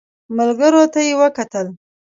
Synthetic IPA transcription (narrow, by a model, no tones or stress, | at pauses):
mʊlɡəɾot̪ajewəkat̪əl